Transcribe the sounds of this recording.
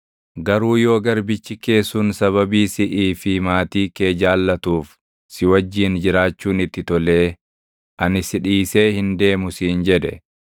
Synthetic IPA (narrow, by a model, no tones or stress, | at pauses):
ɡɐɾuːjo̞ːɡɐɾbɪt͡ʃːɪke̞ːsuːnsɐβɐbiːsɪʔiːfɪmaːt̪iːke̞ːd͡ʒaːlːɐt̪uːf | sɪwɐd͡ʒːiːnd͡ʒɪɾaːt͡ʃːuːnɪt̪ːɪt̪ɔle̞ː | ʔɐnɪsɪᶑiːse̞ːhɪnd̪e̞ːmʊsiːnd͡ʒɛd̪ɛ